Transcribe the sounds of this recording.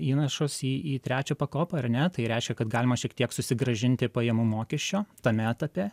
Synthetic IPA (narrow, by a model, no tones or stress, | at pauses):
iːnɐʃosiːiːt̪ʲɾʲæːt͡ʃʲopɐkoːpɐɐrnʲɛt̪ɐɪɾʲɛɪʃʲkʲɛkɐt̪ɡɑːlʲɪmɐʃʲiɛkt̪iɛksʊsʲɪɡɾɐʒʲɪnʲt̪ʲɪpɐjɛmumoːkʲɛʃʲt͡ʃʲoːt̪ɐmʲɛɐt̪ɐpʲeː